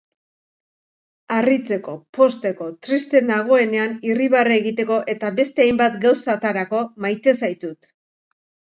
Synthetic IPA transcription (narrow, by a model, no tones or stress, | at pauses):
arit͡se̞ko̞po̞st̪e̞ko̞t̪ɾist̪e̞naɣ̞o̞e̞ne̞aniriβaraeɣit̪e̞ko̞ʔe̞t̪aβe̞st̪e̞ajmbat̪ɡawsat̪aɾako̞majt̪e̞sajt̪ut̪